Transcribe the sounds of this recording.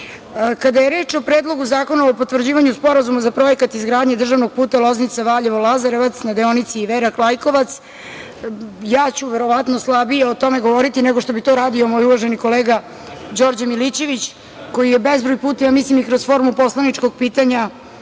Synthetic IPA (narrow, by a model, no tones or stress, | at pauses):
kad̪aje̞ɾeːt͡ʂo̞pɾeːd̪lˠo̞ɡuzaːko̞naopo̞t̪vr̩d͡ʑiːʋaɲuspo̞ɾazumazapɾo̞jekat̪izɡɾaːd̪ɲed̪r̩ʒaʋno̞ɡ̚puːt̪alˠo̞znit̪saʋaːʎeʋolˠazaɾeʋat̪snad̪eonit̪siːʋeɾaklˠajko̞ʋat̪s | jaːt͡ɕuʋeɾo̞ʋat̪no̞slˠabijeot̪o̞meɡo̞ʋoɾit̪ineɡo̞ʃt̪o̞bit̪oɾaːd̪io̞mo̞juʋaʒeniko̞leːɡa | d͡ʑo̞ɾd͡ʑamilit͡ɕe̞ʋit͡ɕ | ko̞jije̞bezbɾojpuːt̪ajamislimikɾosfo̞ɾmupo̞slˠanit͡ʂko̞ɡ̚piːt̪aɲa